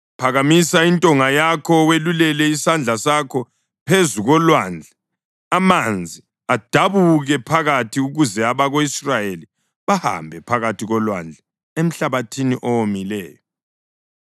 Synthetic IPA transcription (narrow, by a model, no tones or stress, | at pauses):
pʰaɣamisaintʼɔŋajakʰɔwelulɛlɛisand͡ɮʱasakʰɔ | pʰezuɣɔlwand͡ɮʱa | amand͡zʱi | ad̥ʱaβuɣɛpʰaɣatʰiuɣuzɛaβaɣoisrajeli | βaha̰mbʱɛpʰaɣatʰiɣɔlwa̰nd͡ɮʱa | em̩ɬaβatʰiniʔɔwomilɛ̰ːjɔ